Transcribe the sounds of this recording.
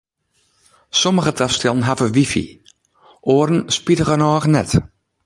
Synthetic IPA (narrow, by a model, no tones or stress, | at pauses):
soməɣətʰafstɛlˠn̩ɦavəʋifḭ | ʔoːəɾn̩spitəɣənɔːɣnɛt